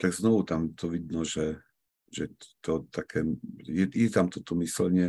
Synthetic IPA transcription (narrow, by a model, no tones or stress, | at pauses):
t̪aɡznɔʋut̪amt̪ɔʋid̪nɔʒɛ | ʒɛt̪ɔt̪akʰɛːjɛjɛt̪amt̪ɔt̪ɔmislɲɪɛ